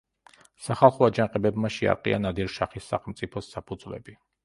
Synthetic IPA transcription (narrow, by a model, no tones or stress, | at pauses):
saχalˠχɔad͡ʒaŋqʼɛbɛbmaʃia̰ɾqʼḭa̰nad̪iɾʃaχisːa̰χɛmt̪sʼipʰɔsːapʰud̪zvlɛ̰bi